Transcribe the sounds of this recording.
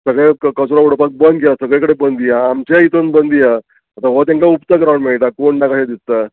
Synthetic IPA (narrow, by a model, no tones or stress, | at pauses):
səɡɭekkət͡sɾauɽpak̪̚bənd̪kelasəɡɭẽkəɽebənd̪ijaːmt͡ɕait̪onbənd̪ija | at̪aʋɔt̪jãŋkaupt͡sakɾawɳmeɭʈ̪akoɳɖakaɕad̪ist̪ːa